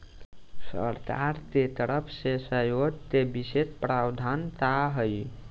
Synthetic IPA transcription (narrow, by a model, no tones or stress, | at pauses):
sə̰ɾt̪aɾt̪et̪əɾəpʰsesəjot̪ebiset̪pɾawd̪ʱant̪aɦəj